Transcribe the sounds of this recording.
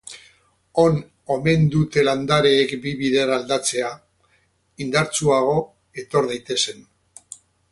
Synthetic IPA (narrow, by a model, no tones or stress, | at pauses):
o̞n | o̞me̞nd̪ut̪e̞land̪aɾeːkbiβið̞eɾald̪at͡se̞a | ind̪aɾt͡suaɣ̞o̞ | e̞t̪o̞ɾð̞ajt̪e̞se̞n